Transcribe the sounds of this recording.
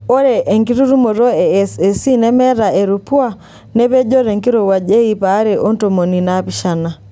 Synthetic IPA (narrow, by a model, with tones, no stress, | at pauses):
o˦ɾɛ˨ʔe˨ŋɡi˦ɾu˦ɾu˦mo˨ɾɔ˦ɛ˨sɛ˨si˦nɛ˦mɛ˦ɾa˨ʔe˨ɾu˨pu˦a˦ | nɛ˦βɛ˦d͡ʒɔ˦ɾɛ˨ŋɡi˦ɾɔ˨wa˨ʄe˦i˦˨pa˨˦ɾɛ˨ʔɔ˦nto˨mo˨ni˨na˦pi˦ʃa˨na˨